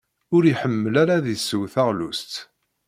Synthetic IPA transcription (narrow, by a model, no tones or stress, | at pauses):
ʊɾiħəmːəlaɾaðisːəwθaʁlust̪